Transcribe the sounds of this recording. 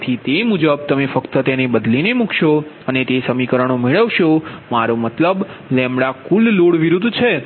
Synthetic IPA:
t̪ʰit̪emud͡ʒəb̚t̪əmefəkt̪ət̪enebəd̪linemukʰʃo | ənet̪esəmikəɾəɳ̃omeɭəʋʃomaɾomət̪ləb | lɛmɽakulːoɽʋiɾud̪t͡ʃʰe

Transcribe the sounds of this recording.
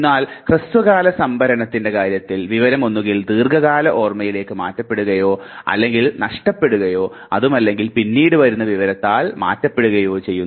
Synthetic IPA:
nːaːlkrɨst̪ʋɐɣaːlɐsɐmbʱɐɾɐɳɐt̪ːinde̞kaːɾjɐt̪ːilʋiʋɐɾɐmo̞nːuɣild̪iːrɡɐɣaːlɐʔo̞ːrmɐjile̞ːkːɨmaːtːɐpːe̞ɽuɣɐjo̞ːɐ̰lːe̞ŋɡilnɐʂʈɐpːe̞ɽuɣɐjo̞ː | ɐðumɐlːe̞ŋɡilpinːiːɽɨʋɐɾunːɐʋiʋɐɾɐt̪ːaːlma̰ːtːɐpːe̞ɽuɣɐjo̞ːt͡ɕe̞jːunː

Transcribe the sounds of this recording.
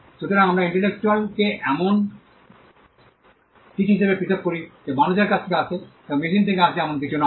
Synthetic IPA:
ʃut̪ʰoɾaŋamɾaiɳʈelek̚t͡ɕualkeʔɛmon | kitiɦiʃebekɾit̪ʰob̚koɾid͡ʑebanod͡ʑeɾkat͡ɕʰt̪ʰekeat͡ɕʰet̪ɛbomiʃ̬int̪ʰekeat͡ɕʰiɛmonkit͡ɕʰuna

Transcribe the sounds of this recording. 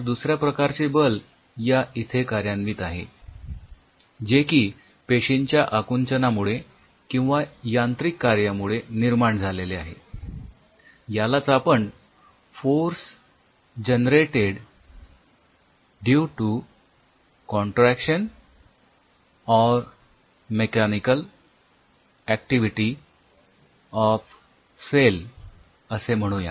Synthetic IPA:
ɾd̪usɾjapɾəkaɾt͡sebəl | jaʔit̪ʰekaɾjãnmiːt̪aɦḛ | d͡ʑekiː | peɕiɲt͡ɕjaʔakunt͡ɕənamuɭe | kĩw̃ʋajãnt̪ɾikːaɾjamuɭeniɾmaɳd͡zʱaleleaɦḛ | jalat͡sapəɳ | foɾs | d͡ʑənɾeʈeɽ | ɖjuʈu | kɔɳʈɾækɕən | ɔɾ | mekɛnikəl | æk̚ʈiʋiʈi | ɔf | sel | əsem̤əɽ̃ũja̰

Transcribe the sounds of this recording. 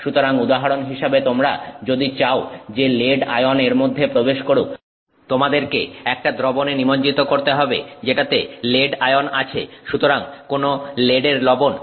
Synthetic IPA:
ʃut̪oɾaŋud̪aɦaɾonɦiʃebet̪omɾa̰d͡ʑod̪it͡ɕaod͡ʑeleɖa̰joneɾmod̪ʱːepɾobeʃkoɾu | t̪omad̪eɾkḛɛk̚ʈad̪ɾobonenimoɲd͡ʑit̪okoɾt̪eɦɔbḛd͡ʑeʈat̪eleɖaeona̰t͡ɕʰḛʃut̪oɾaŋkonoleɖeɾlɔbon

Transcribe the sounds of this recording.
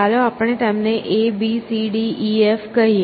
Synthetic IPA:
aːloaːpɽ̃eʈaːɪmnẽʔebisiɖiːiefkɐi

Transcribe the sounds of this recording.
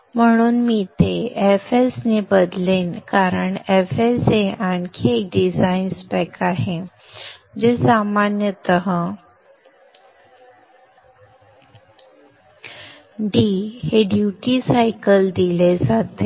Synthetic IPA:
m̤əɽ̃uːnmiːt̪eefesnebəd̪leːnkaɾəɳefeseʔankʰek̚ɖid͡zainspɛkaɦe | d͡ʑesamanjət̪əɦə | ɖiheɖjuʈisajkəld̪iled͡zat̪e

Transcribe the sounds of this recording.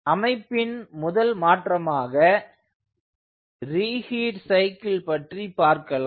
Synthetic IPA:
ɐmɐɪpːɪnmʊðɐlmaːʈrɐmaːɣɐ | ɾiːhiːʈsɐɪkːɪlpɐʈripaːɾkɐla

